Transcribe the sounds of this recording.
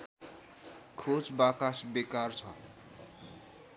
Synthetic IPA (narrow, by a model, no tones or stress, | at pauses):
kʰot͡sbakasbekart͡sʰʌ